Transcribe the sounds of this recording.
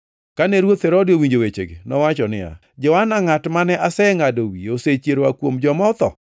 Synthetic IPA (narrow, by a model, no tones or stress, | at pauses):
kanɛɾwot̪hɛɾodɪowiɲd͡ʒowet͡ʃḛɡḛnɔwat͡ʃɔnɪa̰ | d͡ʒɔwanaŋatmanɛʔasɛŋadowioset͡ʃeɾowakwomd͡ʒɔmɔt̪ɔ̰